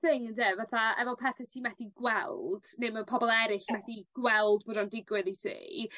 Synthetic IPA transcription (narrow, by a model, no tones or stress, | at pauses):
θɪŋəndevaθaɛvɔlˠpʰɛθɛtʰinmɛθiɡwɛ̰lˠd̥neməpʰɔbɔlˠɛɾɪɬmɛθiɡ̥wɛlˠdboːdɔndɪɡwɪðitʰḭ